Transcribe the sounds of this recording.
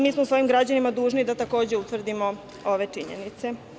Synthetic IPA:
miːsmousʋo̞imɡɾad͡ʑanimad̪uːʒnid̪at̪ako̞ːd͡ʑe̞ut̪ʋr̩d̪imo̞ | o̞ʋe̞t͡ʂiɲḛnit̪se̞

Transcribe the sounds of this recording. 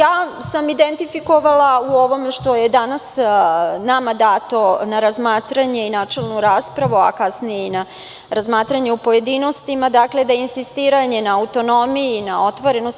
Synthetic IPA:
jaːsamid̪ent̪ifiko̞ʋalauo̞ʋo̞meʃt̪o̞jed̪anas | namad̪aːt̪onaɾazmaːt̪ɾaɲe̞inaːt͡ʃelnuɾaːspɾaʋua̰kasnijeina | ɾazmaːt̪ɾaɲe̞upo̞je̞d̪ino̞st̪imad̪akle̞d̪ajeinsist̪iːɾaɲe̞naːut̪o̞no̞mijinao̞t̪ʋoɾe̞nos

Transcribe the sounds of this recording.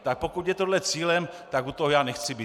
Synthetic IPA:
t̪ak̚po̞kut̪jɛt̪o̞dlɛt͡siːlɛmt̪akut̪oɦojaːnɛxt͡sɪbiː

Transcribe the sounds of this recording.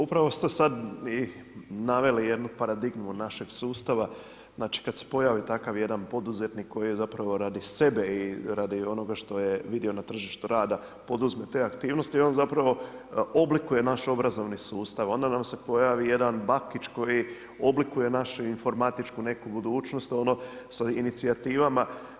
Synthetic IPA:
upɾaʋo̞st̪esad̪i | naʋe̞lije̞d̪nupaɾad̪iɡmunaʃe̞ɡsuːst̪aʋa | znaːt͡ʃi̥kad̪se̥po̞jaʋit̪akaʋje̞d̪anpo̞d̪uze̞t̪nikʰːo̞jiezapɾaʋoɾad̪ise̞be̞iɾad̪io̞no̞ɡaʃt̪o̞je̞ʋid̪io̞nat̪r̩ʒiʃt̪uɾaːd̪a | po̞d̪uzme̞t̪e̞akt̪iːʋno̞st̪io̞nzapɾaʋo̞o̞blikuje̞naʃo̞bɾazo̞ʋnisuːst̪aʋo̞nd̪anamse̞po̞jaʋije̞d̪anbakit͡ʃko̞ji | o̞blikuje̞naʃuinfo̞ɾmat̪it͡ʃkune̞kubud̪uːt͡ʃno̞st̪o̞no̞sainit̪siat̪iːʋama

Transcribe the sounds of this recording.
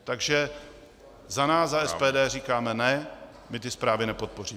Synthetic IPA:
t̪aɡʒɛ | zanaːszaɛspɛːdɛːriːkaːmɛnɛ | mɪt̪ɪspɾaːvɪnɛpo̞t̪̚po̞riː

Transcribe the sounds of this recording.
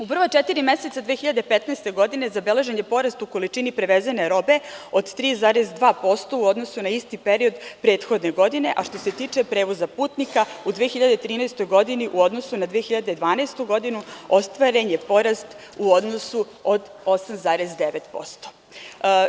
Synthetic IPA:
upr̩ʋot͡ʃet̪iɾime̞se̞t̪sad̪ʋeːxiʎad̪e̞pet̪nɛst̪e̞ɡo̞d̪inezabele̞ʒenjepo̞ɾast̪uko̞lit͡ʃinipɾeʋezene̞ɾo̞be̞od̪t̪ɾiːzaːɾezd̪ʋaːpo̞st̪o̞uo̞d̪no̞sunaist̪ipeɾio̞d̪pɾe̞ːt̪xo̞d̪ne̞ɡo̞d̪ine̞ʔaʃt̪o̞se̞t̪iːt͡ʂe̞pɾe̞ːʋo̞zapuːt̪nikaud̪ʋeːxiʎad̪et̪ɾiːnɛːst̪o̞jɡo̞d̪iniʔuo̞d̪nosunad̪ʋeexiʎad̪ed̪ʋaːnɛst̪uɡo̞d̪inuo̞st̪ʋaɾeɲepo̞ɾast̪ | uod̪nosu | od̪o̞samzaːɾezd̪eʋet̪po̞̰st̪o̥

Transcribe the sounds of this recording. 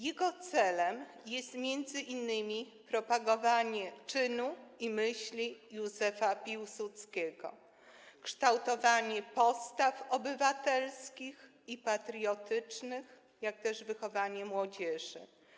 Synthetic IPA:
jɛɡɔt̪sɛlɛmjɛst̪mʲjɛnd̪zɘʔinːɘmʲi | pɾɔpaɡɔvaɲɛt͡ʂɘnuimɘɕlʲijuzɛfapʲiwsut̪skʲɛɡɔ̰ | kʂt̪awt̪ɔvaɲɛpɔst̪afɔbɘvat̪ɛlskʲix | ipat̪ɾʲjɔt̪ɘt͡ʂnɘx | jak̚t̪ɛʐvɘxɔvaɲɛmwɔd͡ʑɛʐɘ̰

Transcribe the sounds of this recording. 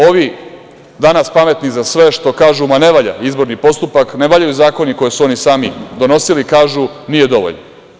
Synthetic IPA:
o̞ʋi | d̪anaspame̞t̪nizasʋe̞ʃt̪o̞kaːʒumane̞ʋaʎa̰izbo̞ɾnipo̞st̪upakne̞ʋaʎajuzaːko̞niko̞jesuo̞nisaːmid̪o̞no̞silikaːʒunije̞d̪o̞ʋo̰ʎno̰

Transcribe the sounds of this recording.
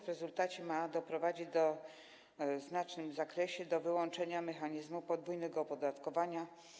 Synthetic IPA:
vɾɛzult̪at͡ɕɛmad̪ɔpɾɔvad͡ʑid͡ʑd̪ɔ | znat͡ʂnɘmzakɾɛɕɛd̪ɔvɘwɔnt͡ʂɛɲamɛxaɲizmupɔd̪vujnɛɡɔpɔd̪at̪kɔvaɲa

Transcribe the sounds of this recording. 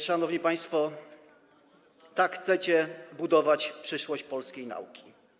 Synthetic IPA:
ʂanɔvɲipaj̃st̪fɔ | t̪akxt̪sɛt͡ɕɛbud̪ɔvat͡ɕpʂɘʂwɔɕt͡ɕpɔlskʲejna̰ukʲi̥

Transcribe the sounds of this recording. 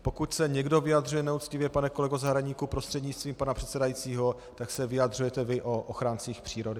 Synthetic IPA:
po̞kucsɛɲɛɡdo̞vɪjad̪rujɛnɛut̪t͡scɪvjɛpanɛkolɛɡozaɦɾaɲiːkupɾo̞st̪r̥ɛdɲɪt͡st̪viːmpanapr̝̥ɛt̪sɛdajit͡siːɦo̞ | t̪aksɛvɪjad̪r̝ujɛt̪ɛvɪʔoʔoxɾaːnt͡siːxpr̝̥iːɾo̞dɪ

